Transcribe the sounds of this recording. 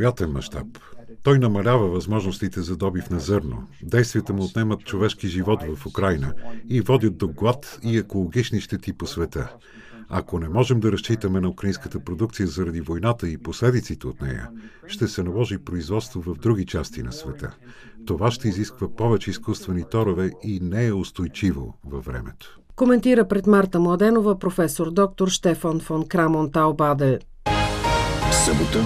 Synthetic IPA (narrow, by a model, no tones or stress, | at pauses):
jat̪ɛnmɐ̰ʃt̪a̰p | t̪ɔjnɐmɐlʲavəvɐzmɔʒnost̪it̪ɛzɐd̪ɔbifnɐzɤɾno̰d̪ɛjst̪vʲijət̪əmuːt̪nɛmət̪̚t͡ʃovɛʃkiʒivɔt̪vɐfukɾajnəivɔd̪ʲət̪̚d̪oɡlˠat̪iɛkolˠoɡit͡ʃniʃt̪ɛt̪iposvɛt̪ə | ɐ̰konɛmɔʒɛmd̪ɐɾɐst͡ʃit̪əmɛnɐukɾəinskət̪əpɾod̪ukt̪sijəzɐɾɐd̪ivojnat̪əiposlɛd̪it̪sit̪ɛot̪nɛ̰jə̰ | ʃt̪ɛsɛnɐlˠɔʒipɾoizvɔt̪st̪vovɐvd̪ɾuɡit͡ʃast̪inɐ̰svɛt̪ə̰ | t̪ovaʃt̪ɛiziskvəpɔvɛt͡ʃɛiskust̪vɛnit̪ɔɾovɛinɛɛʊst̪ojt͡ʃivo̰vɐvːɾɛ̰mɛ̰t̪o̥ | komɛnt̪iɾəpɾɛt̪maɾt̪əmlˠɐd̪ɛnovəpɾofɛsoɾd̪ɔk̚t̪oɾʃt̪ɛfɔnfɔnkɾamont̪albad̪ɛl | səbot̪ə